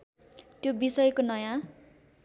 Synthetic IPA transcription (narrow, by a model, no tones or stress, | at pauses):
t̪jobisʌjkonʌjã